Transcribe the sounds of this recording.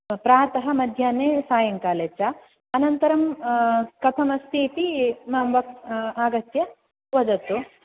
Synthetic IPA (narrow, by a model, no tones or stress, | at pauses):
pɾaːt̪ɐɦɐ̆mɐd̪ʱjaːneːsaːjɐŋkaːleːt͡ʃɐ | ɐnɐnt̪ɐɾɐm | kɐt̪ʰɐmɐst̪ʰiːt̪imaːmʋɐkaːɡɐt̪jɐ | ʋɐd͡ʒɐt̪u